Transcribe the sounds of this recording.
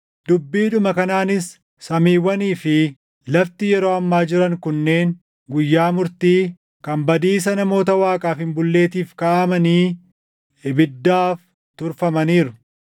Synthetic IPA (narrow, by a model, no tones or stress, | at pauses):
d̪̥ʊbːiːᶑʊmɐkɐnaːnɪsː | ɐmiːwːɐniːfɪ | lɐft̪ɪjɛɾo̞ːɐmːaːd͡ʒɪɾɐŋkʊnːe̞ːŋ | ɡʊjːaːmʊɾt̪iː | kɐmbɐd̪iːs̬ɐnɐmo̞ːt̪ɐwaːkʼaːfhɪmbʊlːe̞ːt̪iːfkaɐmɐniː | ɪbɪd̪ːaːf | t̪ʊɾfɐmɐniːɾʊ